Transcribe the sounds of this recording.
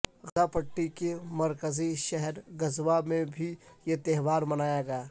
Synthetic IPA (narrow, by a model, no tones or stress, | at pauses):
ɣzapəʈːikemɐɾkəziʃɛɦɛɾɡɐzʋamẽbʱijet̪eɦʋaːɾmɐnaːjaɡaː